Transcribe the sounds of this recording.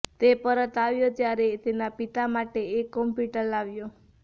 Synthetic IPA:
t̪epəɾət̪aʋjot̪jaɾet̪enapit̪amaʈeekːɔmpjuʈəɾlaʋjo

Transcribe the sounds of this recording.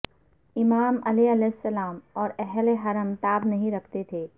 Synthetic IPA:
ɪmaːmɐleɐlɛːɪsːɐlaːmɔːɾɛɦleɦɐɾəmt̪aːbnɐɦĩɾɐkʰt̪et̪ʰeː

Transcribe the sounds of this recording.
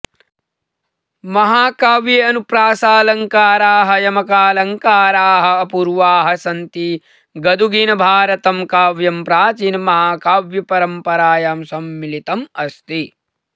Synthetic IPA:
mɐɦaːkaːʋjeɐnupɾaːsaːlɐŋkaːɾaːɦɐ̆jɐmɐkaːlɐŋkaːɾaːɦɐ̆ɐpuɾʋaːɦɐsɐnt̪i | ɡɐd̪ʱuɡinɐbʱaːɾɐt̪ɐmkaːʋjɐmpɾaːt͡ʃiːnɐmɐɦaːkaːʋjɐpɐɾɐmpɐɾaːjaːmsɐmːilit̪ɐmɐst̪i

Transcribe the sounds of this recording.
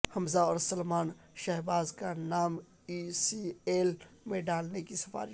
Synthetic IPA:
hɐmzaɔːɾsɐlmaːn | ʃɛɦbaːzkanaːm | isieːlmẽɖaːlnekisɐfa̰ːɾi

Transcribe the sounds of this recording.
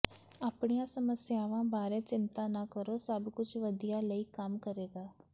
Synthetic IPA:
aːpɳijãːsəməsjaːʋãːbaːɾɛːt͡ʃɪnt̪ãːnãːkəɾoːsəbkʊt͡ʃʋəd̪ijaːləiːkəmkəɾeːɡaː

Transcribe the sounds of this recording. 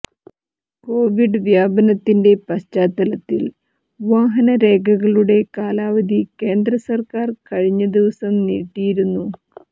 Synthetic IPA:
ko̞ːʋiɖɨʋjaːbɐnɐt̪ːinde̞pɐɕt͡ɕaːt̪ːɐlɐt̪ːil | ʋaːɦɐnɐɾe̞ːɡʱɐɣɐɭuɽe̞kaːlaːʋɐd̪ike̞ːnd̪rɐsɐrkaːrkɐɻiɲːɐd̪iʋɐsɐmnḭːʈːijiɾunːu

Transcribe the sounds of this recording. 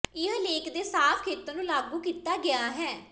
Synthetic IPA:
ɪɦəleːkd̪eːsaːpʰkʰeːt̪õːnũːlaːɡuːkiːt̪aːɡɪaːɦɛː

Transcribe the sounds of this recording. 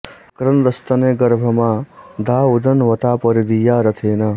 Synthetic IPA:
kɾɐnd̪ɐst̪ɐneːɡɐɾbʱɐmãd̪ʱaːud̪ʱɐnʋɐt̪aːpəɾid̪ijaːɾɐt̪ʰeːna

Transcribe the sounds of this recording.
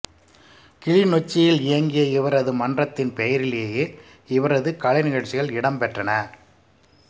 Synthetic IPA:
kɪɻɪnɔt͡ʃːɪjɪlɪjɐŋɡɪjɐɪʋɐɾɐðɯmɐndrɐt̪ːɪnpɛjɐɾɪleːjeː | ɪʋɐɾɐðɯkɐɻɐɪnɪɣɐɻt͡ʃːɪɣɐɭɪɽɐmpɛʈrɐnɐ

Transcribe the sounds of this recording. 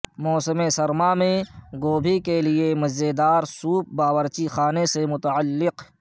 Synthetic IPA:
mɔːsəmesɐɾmamẽɡoːbʱikeliemɐd͡ʒed̪aːɾsuːp̚baːwəɾt͡ʃixaːnesemʊt̪əəlːɪq

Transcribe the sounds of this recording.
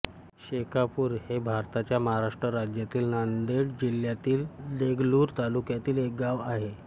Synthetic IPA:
ɕekapuːɾhebʱaɾt̪at͡ɕjaməɦaɾaʂʈɾəɾad͡ʑjat̪iːlnand̪eɽd͡ʑiljat̪iːld̪eɡluːɾt̪alukjat̪iːlek̚ɡaʋaɦe

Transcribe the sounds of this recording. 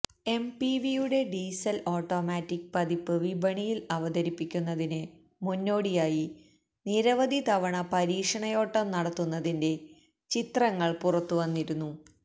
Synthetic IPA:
e̞mpiʋijuɽe̞ɖiːsɐloːʈːo̞ːmaːtːik̚pɐd̪ipːɨʋibʱɐɳijilɐʋɐd̪ɐɾipːikʲːunːɐðinɨ | munːo̞ːɽijaːji | niɾɐʋɐd̪ʱit̪ɐʋɐɳɐpɐɾiːkʂɐɳɐjo̞ːʈːɐmnɐɽɐt̪ːunːɐðinde̞ | t͡ɕit̪rɐŋːɐɭpurɐt̪ːuʋɐnːiɾunːu

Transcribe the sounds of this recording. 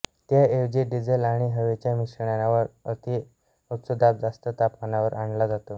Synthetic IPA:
t̪jaeʋd͡ʑiɖid͡zelaɽ̃iɦəʋet͡ɕjamiɕəɳjanaʋəɾət̪i | utsud̪ʱap̚d͡zast̪ət̪apkanaʋəɾʔaɳlad͡zat̪o

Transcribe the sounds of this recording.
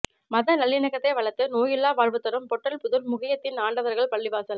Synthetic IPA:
mɐðɐnɐɭːɪnɐɣɐt̪ːɐɪʋɐɭɐt̪ːɯnoːjɪlːaːʋaːɻʋɯt̪ːɐɾɯmpɔʈːɐlpʊðɯlmʊɣɪjɐt̪ːɪnaːɳɖɐʋɐɾɣɐɭpɐɭːɪʋaːsɐl

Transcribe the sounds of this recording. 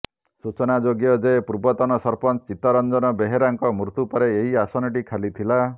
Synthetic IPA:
sut͡ʃɔnad͡ʒoɡjɔd͡ʒepuɾbɔt̪ɔnɔsɔɾpɔnt͡ʃit̪ɔɾɔnd͡ʒɔnɔbeɦeɾaŋkɔmɾut̪upɔɾeeɦiasɔnɔʈikʰalit̪ʰila

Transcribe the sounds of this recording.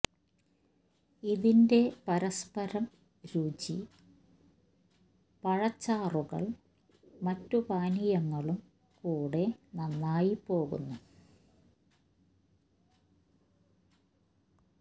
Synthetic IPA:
iðinde̞pɐɾɐspɐɾɐm | ɾuːt͡ɕi | pɐɻɐt͡ɕːaːruɣɐ̰ɭ | mɐtːubaːnijɐŋːɐɭum | kuːɽe̞nɐnːaːjipːo̞ːɣṵnːu

